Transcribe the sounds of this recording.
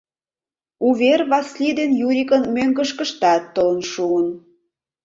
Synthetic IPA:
uβerβɑslid̪enjuɾʲikə̆nmøŋɡə̆ʃkə̆ʃt̪ɑt̪ːɤ̆lə̆nʃuən

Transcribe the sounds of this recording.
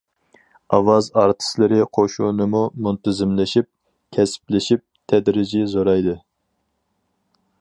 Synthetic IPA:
ɑwɑzɑɾt̪ʰɨ̥slɪɾɪqʰoʃunɨmumunt̪ʰɪzɪmlɪʃip̚ | kʲʰɛsɪ̥plɪʃip̚t̪ʰɛd̪ɾɪd͡ʒizoɾɑjd̪ɨ

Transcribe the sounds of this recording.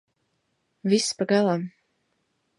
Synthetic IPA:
visːpaɡalˠam

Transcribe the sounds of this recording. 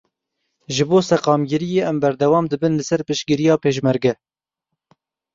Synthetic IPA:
ʒɨboːsɛqɑːmɡɪɾijeːʔɛmbɛɾd̪ɛwɑːmd̪ɨbɨnlɨsɛɾpɨʃɡɪɾijɑːpeːʃ̬mɛɾɡɛ

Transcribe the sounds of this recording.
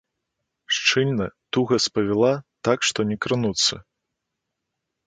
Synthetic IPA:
ʂt͡ʂɨlʲnɐt̪uɣɐspɐvʲɛlˠat̪akʂt̪ɔnʲɛkɾɨnut̪sːɐ

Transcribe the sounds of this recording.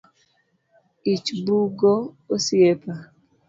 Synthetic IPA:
it͡ʃbuɡo | osjepa

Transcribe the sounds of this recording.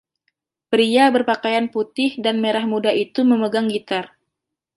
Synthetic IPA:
pɾiabərpakajanput̪ɪhdanmeɾahmudait̪uməməɡaŋɡit̪ar

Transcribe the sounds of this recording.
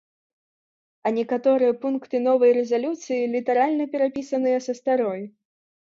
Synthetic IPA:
ɐnʲɛkat̪ɔɾɨjɐpunkt̪ɨnɔvɐjɾɛzalʲut̪sɨjilʲit̪ɐɾalʲnɐpʲɛɾapʲisɐnɨjɛsɐst̪aɾɔj

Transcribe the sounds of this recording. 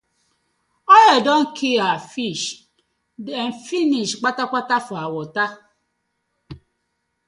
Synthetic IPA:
ɔjedɔŋ̩kʰiafiʃ | en̩finiʃk͡patak͡pʷatafʊawʊta

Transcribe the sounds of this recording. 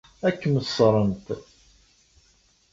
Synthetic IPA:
ækːəməsːɾˤənt̪

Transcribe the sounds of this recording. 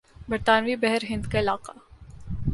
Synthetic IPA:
bɐɾt̪aːnʋibɛɦɛɾɦɪ̃nd̪kaɪlaːqa

